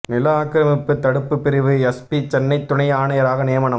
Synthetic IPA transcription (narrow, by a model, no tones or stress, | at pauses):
nɪlɐaːkːɪɾɐmɪpːɯt̪ːɐɽɯpːɯpːɪɾɪʋɯɛspit͡ʃɛnːɐɪt̪ːʊɳɐjaːɳɐjɐɾaːɣɐnɪjɐmɐɳɐ